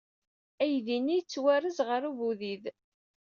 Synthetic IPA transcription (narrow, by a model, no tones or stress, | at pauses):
æjðinijt͡sːwærəzʁəɾuvuðið